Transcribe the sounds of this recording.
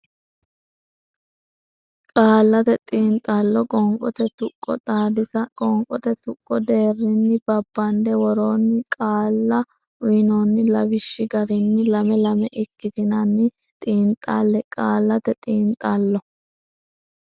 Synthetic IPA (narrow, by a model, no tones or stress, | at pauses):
kʼaːlːɐt̪ɛt̪ʼiːnt̪ʼɐlːɔkʼɔŋkʼɔt̪ɛt̪ʊkʼːɔt̪ʼaːd̪ɪsɐkʼɔŋkʼɔt̪ɛt̪ʊkʼːɔd̪e̞ːrːɪnːɪb̥ɐbːɐnd̪ɛwɔɾoːnːɪkʼaːlːɐ | winoːnːɪlɐbɪʃːɪɡɐɾɪnːɪlɐmɛlɐmɛʔɪkːɪt̪ɪnɐnːɪ | t̪ʼiːnt̪ʼːalːɛkʼaːlːɐt̪ɛt̪ʼiːnt̪ʼːɐlːɔ